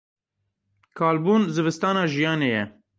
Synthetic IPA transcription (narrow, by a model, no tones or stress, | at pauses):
kʰɑːlbuːnzɨvɨst̪ɑːnɑːʒijɑːneːjɛ